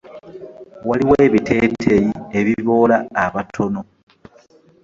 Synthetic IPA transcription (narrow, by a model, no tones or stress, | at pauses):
waliweːβitʰe̞ːtʰejie̞βiβo̞ːlaːβatʰo̞no